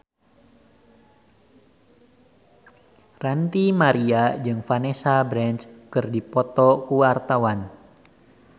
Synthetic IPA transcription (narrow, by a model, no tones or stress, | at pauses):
rant̪imaɾiad͡ʒɨŋfanesabɾɛnt͡ʃkɨrdipɔt̪ɔkuwart̪awan